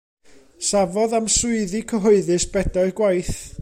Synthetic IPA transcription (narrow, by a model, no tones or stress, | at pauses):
savɔðamsʊɨðikʰəɦɔɨðɨsb̥ɛdaɨɡwajθ